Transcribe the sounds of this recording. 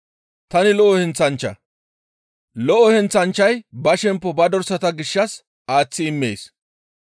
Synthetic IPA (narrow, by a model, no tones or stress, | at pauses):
t̪ɐnɪlɔʔɔhɛnt͡sːɐnt͡ʃːɐ̰ | lɔʔɔhɛnt͡sːɐnt͡ʃːɐjbɐʃɛmpːɔbɐd̪ɔɾsɐt̪ɐɡɪʃːɐs | aːt͡sːɪːmːḛːs